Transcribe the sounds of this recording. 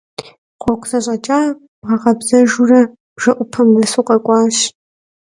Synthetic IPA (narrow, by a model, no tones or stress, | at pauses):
qʷɔkʷʰʼzɐɕʼɐt͡ʃʼaː | ʁɐʁɐbzɐʒurɐ | ʒ̥ɐʔʷʊpʰɐmɐsuːqʼɐkʷʼɑːɕ